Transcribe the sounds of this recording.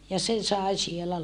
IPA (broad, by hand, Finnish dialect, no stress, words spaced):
jɑ se sɑi sielæ